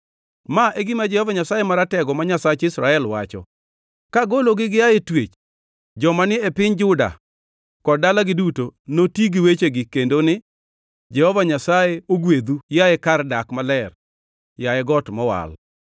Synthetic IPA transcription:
maʔeɡɪmad͡ʒɛhɔvaɲasajemaɾatɛɡɔmaɲasat͡ʃɪsɾaɛlwa̰t͡ʃɔ̰ | kaɡoloɡɪɡɪjajetwet͡ʃ | d͡ʒɔmanɪɛpɪɲd͡ʒʊda̰ | kɔdalaɡɪdutonotiɡɪwet͡ʃeɡɪkendonɪ | d͡ʒɛhɔvaɲasajeoɡwed̪ujajɛkardakmalɛr | jajɛɡɔtmɔwa̰l

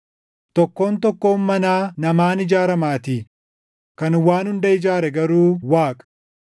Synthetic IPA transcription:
t̪ɔkːo̞ːnt̪ɔkːo̞ːmːɐnaːnɐmaːnɪd͡ʒaːɾɐmaːt̪iː | kɐnwaːnhʊnd̪ɐɪd͡ʒaːɾɛɡɐɾuːwaːkʼ

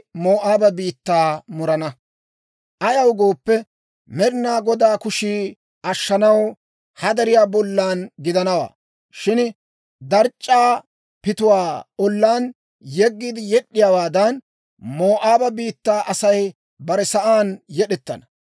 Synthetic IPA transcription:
moːʔaːbɐbiːt̪ːaːmʊɾɐnɐ | ʔɐjɐwɡo̞ːpːɛ | mɛɾɪnaːɡɔd̪aːkʊʃiː | ʔɐʃːɐnɐw | hɐd̪ɐɾɪjaːbɔlːaːnɡɪd̪ɐnɐwa̰ː | ʃɪn | d̪ɐɾt͡ʃʼːaː | pɪt̪ʊwaːɔlːaːn | jɛɡːiːd̪ɪjɛɗːɪjaːwaːd̪ɐn | moːʔaːbɐbiːt̪ːaːʔɐsɐj | bɐɾɛsɐʔaːnjɛɗɛt̪ːɐ̰nɐ̥

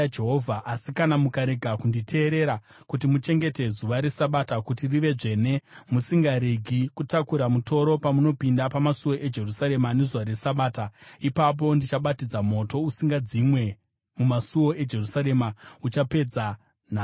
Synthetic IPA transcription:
d͡ʒeɦovʱaʔasikanamukaɾe̞ɡʱakunditʰe̞ːɾe̞ɾa | kutimut͡ʃe̞ŋɡe̞te̞zuʋaɾe̞saɓatakutiriʋe̞ʐe̞ne̞musiŋɡaɾiɡʱikutakuɾamuto̞ɾo̞pamuno̞pindapamasuwo̞ʔe̞d͡ʒe̞rusaɾe̞mane̞zuʋaɾe̞saɓaːtaipap̬o̞ndit͡ʃaɓatid͡zamo̞to̞usiŋɡad͡zimwe̞ | mumasuo̞e̞d͡ʒe̞rusaɾe̞maut͡ʃape̞d͡za | naː

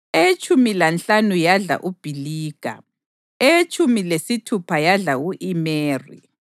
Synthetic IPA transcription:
et͡ʃʰʼumilant͡ɬanujaɮa̰ʔub̥ʱiliːɡ̥ʱa̰ | et͡ʃʼumilesitʰupʰajaɮauʔimeːrḭ

